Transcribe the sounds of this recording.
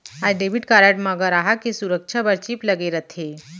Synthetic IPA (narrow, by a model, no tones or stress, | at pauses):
ajɖeʋiʈkaɾaʈmaɡəɾaɦakisuɾək̚t͡ʃʰabəɾt͡ɕiːpləɡeɾət̪ʰe